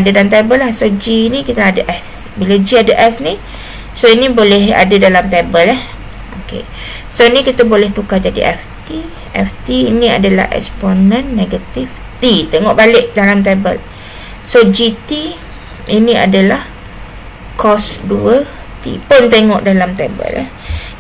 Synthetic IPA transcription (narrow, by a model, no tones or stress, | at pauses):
adadalamt̪ebəlahsod͡ʒinĩkit̪əadaʔɛs | bilad͡ʒiadaʔɛsnĩ | soinibolɛɦa̰dadalamt̪ebəlɛh | okḛ | sonĩkit̪abolɛht̪ukad͡ʒadḭʔɛ̰ft̪i | ɛ̰ft̪iinĩa̰dala̰hɛ̰ksponə̃nːeɡat̪if | t̪it̪eŋɔʔbalɪʔdalamt̪ebə̰l | sod͡ʒit̪i | inĩa̰dalah | kɔsduəl | t̪ḭpʊnt̪eŋɔʔdalamt̪ebə̰lɛh